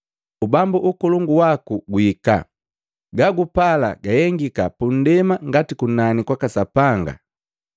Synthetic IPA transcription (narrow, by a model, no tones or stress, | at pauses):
ubambuʔukɔluŋɡuwakuɡuika̰ | ɡaɡupala̰ɡajɛŋɡikapun̩dɛmaŋɡatikunanikwakasapaŋɡa̰